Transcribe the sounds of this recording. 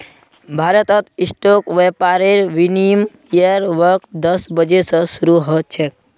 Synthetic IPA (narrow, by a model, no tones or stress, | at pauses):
bʱaːɾət̪ət̪isʈokʋepaɾeɾʋinimjəɾʋəɾk̪̚d̪əsbəd͡ʒesə̃suɾuɦɔt̪̚t͡ʃʰe